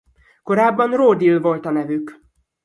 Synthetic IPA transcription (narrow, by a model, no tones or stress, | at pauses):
ko̞ɾaːbːɒnroːd̪ilvo̞lt̪ɒnɛvyk